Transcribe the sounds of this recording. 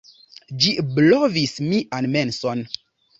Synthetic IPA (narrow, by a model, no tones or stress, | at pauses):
d͡ʒiblovismiʔanmenson